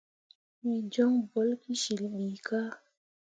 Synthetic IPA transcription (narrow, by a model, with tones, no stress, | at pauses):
mi˨d͡ʒɔ˦ŋbɔ˨˦lki˦ʃi˨lɓi˨ka˦